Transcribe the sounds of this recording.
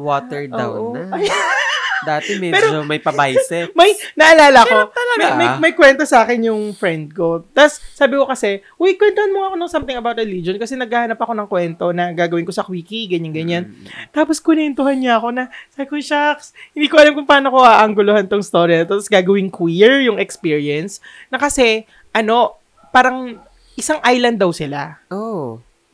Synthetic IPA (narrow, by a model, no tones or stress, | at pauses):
wot̪ɛɹda̰wʔoaaj | d̪aːt̪ɛmɛpɛːɾod͡ʒomɐjpɐbajsɛmɐjnɐʔɐlaːlɐkoɐɐmɐmɐjmɐjkwɛnt̪osɐʔaːkɛnjʊŋfɾɛnd̪̚ko̞t̪ɐsːaːbɪko̞kɐsɛ | wɛjkwɛnt̪ohɐnmoɐkonɐŋsɐmt̪ɪŋɐbawt̪ɹɛliːd͡ʒonkɐsɛnɐɡ̚aːhɐnɐpɐko̞nɐŋkwɛnt̪o̞nɐɡaːɡɐwɪnkosɐkwiːkiɡɐɲaŋɡɐɲant̪aːposkʊnɛnt̪ohɐnɲɐɐko̞nɐsabɪkojʃakshɪnd̪iːkoʔɐlamkʊŋpaːnoko̞ʔaʔɐŋɡʊlohant̪oŋst̪o̞ːɾjiɐnɐt̪ot̪ɐsɡaːɡɐwɪŋkwiɹjʊŋɛkspiɹiɛnsnɐkɐsɛ | ʔɐno̞ | paːɾɐŋ | ʔɪsaŋʔajlɐnd̪ːɐwsɪlaʔo